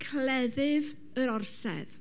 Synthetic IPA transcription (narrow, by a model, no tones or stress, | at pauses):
kʰlɛðɪv | əɾɔrsɛ̰ð